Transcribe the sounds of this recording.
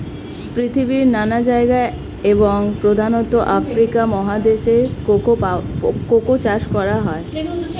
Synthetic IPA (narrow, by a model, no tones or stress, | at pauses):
pɾit̪ʰibiɾnanad͡ʑaeɡae | eboŋpɾod̪ʱanot̪oʔafɾikamɔɦad̪eʃeo | kokot͡ɕaʃkɔɾaɦɔe